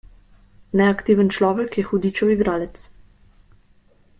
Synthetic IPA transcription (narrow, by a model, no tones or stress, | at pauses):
nɛakt̪iːʋənt͡ʃlɔːʋɛkjɛxud̪iːt͡ʃɔwiɡɾaːlɛt̪s